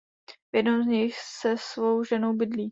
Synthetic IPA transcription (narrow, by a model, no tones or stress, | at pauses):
vjɛdnowzɲɪxsɛsvowʒɛno̞wbɪdliː